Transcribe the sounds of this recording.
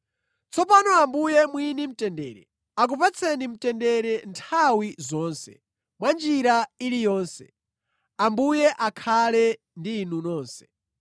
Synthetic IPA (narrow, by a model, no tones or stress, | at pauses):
t͡sʰɔpanɔambujɛmwinim̩tɛndɛːɾɛ̰ | ak̬upat͡sʰɛnim̩tɛndɛɾɛntʰawizɔːnsɛ̰ | mwand͡ʒiɾailijɔːnsɛ | ambujɛʔakʰalɛ | ndiːnunɔːnsɛ̥